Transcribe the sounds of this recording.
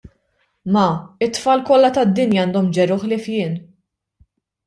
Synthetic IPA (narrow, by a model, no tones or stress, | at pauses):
mɐɪt̪ːfɐːlkɔlːɐt̪ɐd̪ːɪnjɐɐːnd̪ɔmd͡ʒɛɾʊːħlɪfjɪːn